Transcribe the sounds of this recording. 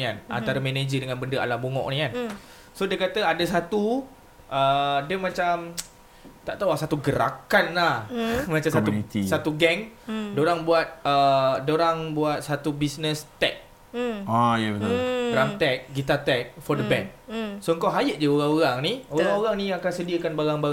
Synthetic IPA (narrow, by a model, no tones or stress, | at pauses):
nikanʔa̰nt̪aɾəmened͡ʒədəŋãnbəndəa̰laboŋɔ̰ʔnĩkan | sodiəkat̪əadəsat̪u | ʔədəmãt͡ʃam | t̪aʔt̪awahsat̪uɡəɾa̰kanlahmat͡ʃasaunit̪issat̪uɡɛŋdoɾaŋbuat̪̚ədoɾaŋbuat̪̚sat̪ubisnəst̪ɛ̰k̚ | ajəbət̪baɾaŋt̪ɛk̚ɡit̪at̪ɛk̚fɔrdəbɛnsoəŋkawɦajəʔ̚d͡ʒəoɾaŋoɾaŋnioɾãŋoɾaŋnĩakansədiəkanbaɾaŋba